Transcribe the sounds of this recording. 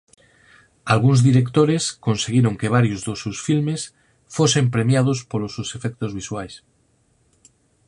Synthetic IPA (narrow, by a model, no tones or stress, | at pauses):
alɣunzðiɾekt̪oɾeskõnseɣiɾoŋkeβ̞aɾjozðosusfilmes | fosempɾemjað̞ospolosusefek̚t̪ozβiswajs